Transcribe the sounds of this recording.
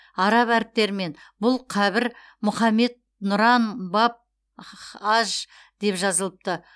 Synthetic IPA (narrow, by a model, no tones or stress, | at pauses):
ɑɾɑpæɾɪp̚t̪e̞ɾɪme̞nbʊlˠqʰɑβɪɾ | mʊχɑme̞d̪̚ | nʊɾɑnbɑp̚ | ɑʒ | d̪̥e̞pʒɑzəlˠəp̚t̪ə